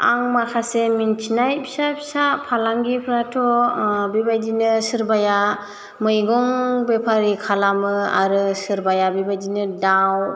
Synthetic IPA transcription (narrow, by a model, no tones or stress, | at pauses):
a̰ŋmakʰasemintʰinajpʰisapʰisapʰalaŋɡipʰɾatʰɔbibajdinɯsɯɾbaja | mɯjɡɔŋbepʰaɾikʰalamɯa̰ɾɯsɯɾbajabibajdinɯdaw